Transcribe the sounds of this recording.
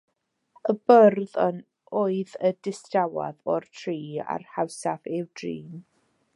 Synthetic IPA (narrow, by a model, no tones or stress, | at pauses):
əbərðən | oːɨðədɪstawa̰ðɔrtʰriːa̰rhawsavɪwd̥riːm